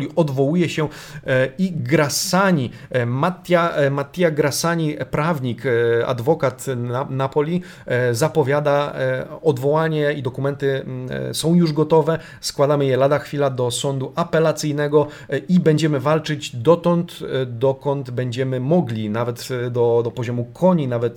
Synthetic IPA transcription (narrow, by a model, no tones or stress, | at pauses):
lʲiʔɔd̪vɔwujɛɕɛ | iɡɾasaɲimat̪jamat̪ʲːjaɡɾasaɲipɾavɲika̰d̪vɔkat̪napɔlʲi | zapɔvʲjad̪aɔd̪vɔwaɲɛid̪ɔkumɛnt̪ɘsɔ̃w̃juʐɡɔt̪ɔvɛ | skwad̪amɘjɛlad̪axfʲilad̪ɔsɔnd̪uʔapɛlat̪sɘjnɛɡɔ | ibɛɲd͡ʑɛmɘvalt͡ʂɘd͡ʑd̪ɔt̪ɔnt̪d̪ɔkɔnd̪bɛɲd͡ʑɛmɘmɔɡlʲinavɛt̪d̪ɔd̪ɔpɔʑɔmukʰɔɲinavɛt̪